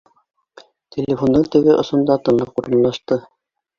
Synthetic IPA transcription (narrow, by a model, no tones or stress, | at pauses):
t̪ʲelʲefo̞nd̪ɤɴt̪ɘ̆ɡɘʔŏsŏnd̪ɑt̪ɤ̆nlˠɤquɾɤ̆nlˠɑʃt̪ɤ